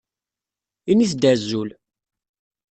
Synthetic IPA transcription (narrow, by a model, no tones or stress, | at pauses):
iniθd̪æzːul